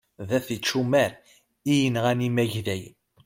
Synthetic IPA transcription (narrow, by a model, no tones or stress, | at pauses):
ðæθit͡ʃːumæɾ | ijənʁænimæʝðæj